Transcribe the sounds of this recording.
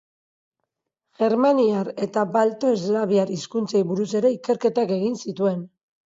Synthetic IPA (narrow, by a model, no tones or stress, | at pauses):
ʝe̞ɾmaniaɾe̞t̪abalt̪o̞ezlaβiaɾiskunt͡sajβuɾuse̞ɾe̞ike̞ɾke̞t̪ake̞ɣ̞insit̪ue̞n